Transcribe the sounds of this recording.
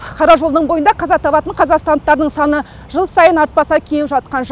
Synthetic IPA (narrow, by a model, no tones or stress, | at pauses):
qʰɑɾɑʒo̞lˠd̪əɴbo̞jənd̪ɑqʰɑzɑt̪ʰɑβɑt̪əɴqʰɑzɑqst̪ɑnt̪ːɑɾd̪əɴsɑnə | ʒəlˠsɑjənɑɾt̪̚pɑsɑkʲʰejɪpʒɑt̪̚qɑnʒ